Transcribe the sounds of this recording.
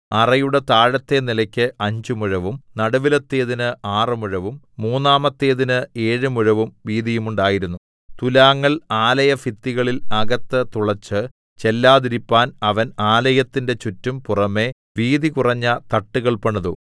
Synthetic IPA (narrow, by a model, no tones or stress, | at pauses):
ɐrɐjuɽet̪aːɻɐt̪ːe̞nilɐkʲːɨɐɲd͡ʑumuɻɐʋumnɐɽɐʋilɐt̪ːeːðinɨaːrɨmuɻɐʋumːuːnːaːmɐt̪ːeːðinɨe̞ːɻɨmuɻɐʋumʋiːðijumuɳɖaːjiɾunːu | t̪ulaːŋːɐɭaːlɐjɐfit̪ːiɣɐɭilɐɡɐt̪ːɨt̪uɭɐt͡ɕːɨ | t͡ɕe̞lːaːðiɾipːaːnɐʋɐnaːlɐjɐt̪ːinde̞t͡ɕutːumpurɐme̞ | ʋiːðikurɐɲːɐt̪ɐʈːuɣɐɭpɐɳɐðu